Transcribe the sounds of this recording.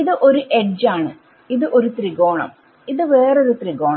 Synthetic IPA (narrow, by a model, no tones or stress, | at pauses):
iðɨʔo̞ɾuʔe̞ɖd͡ʑaːɳɨ | iðɨʔo̞ɾut̪riɣo̞ːɳɐ̰m | iðɨʋe̞ːro̞ɾut̪riɣo̞ːɳ